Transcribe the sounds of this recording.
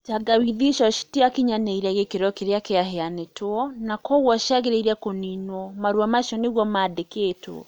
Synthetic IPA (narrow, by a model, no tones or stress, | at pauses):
t͡ʃaɡawiðiʃɔʃi̥tiakiɲaneiɾɛɣekeɾɔkeɾeakeaɦeanetwɔnakɔɣwɔʃaɣeɾeiɾɛkoninwɔmaɾwamaʃɔneɣwɔmaːdekeːtwɔ̰